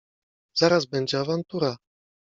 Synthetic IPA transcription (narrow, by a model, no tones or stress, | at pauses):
z̥aɾazbɛɲd͡ʑɛavant̪uɾa